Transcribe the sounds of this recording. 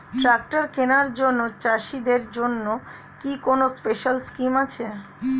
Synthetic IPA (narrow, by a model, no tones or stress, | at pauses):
ʈɾak̚ʈaɾkenaɾd͡ʑonːot͡ɕaʃid̪eɾd͡ʑonːo | kikonospeʃalskimat͡ɕʰe